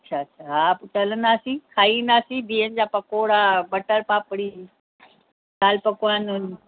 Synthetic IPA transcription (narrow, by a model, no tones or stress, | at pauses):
ɐtːɕʰaːɐtːʃʰaɦat͡ɕɐlənd̪aːsĩkʰaːind̪aːsĩb̪ʱiːənd͡ʑaːpɐkoːɽaɓɐʈəlpaːpɽi | saːlpɐkoaːnʊn